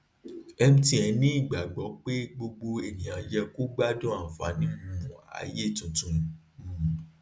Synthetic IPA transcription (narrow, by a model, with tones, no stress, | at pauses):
ɛ˧m̩̃˦tĩ˦ɛ˨˦nĩ˦i˦˨ɡ͡ba˨ɡ͡bɔ˨˦k͡pe˦ɡ͡bo˧ɡ͡bo˧e˨nĩ˨ã˨d͡ʒɛ˧ku˦ɡ͡ba˦dɔ̃˦a˦˨fa̰˨˦nĩ˧˦ũ˨a̰˨˦je˦˨tũ˨tũ˨˧˨